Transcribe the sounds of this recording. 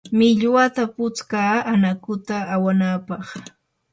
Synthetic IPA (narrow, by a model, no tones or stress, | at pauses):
mɪʎwat̪apʊt͡skaːanakʊt̪aːwanapɑχ